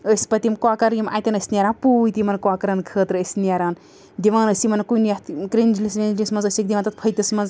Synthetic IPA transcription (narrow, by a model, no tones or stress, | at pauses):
əːsʲpɐt̪imkwaːkɐɾjimʔa̰ːjt̪ʲinəsʲnʲaɾaːnpuːt̪imɐnkwaːkɐɾankʰəːt̪ɾəsʲnjaɾaːn | d̪iʋãːnəsʲimɐnkunjaht̪kɾind͡ʒlisʋʲend͡ʒlʲismɐnzəsʲikd̪ʲiʋaːnt̪ɐt̪̚pʰəjt̪ʲismɐnz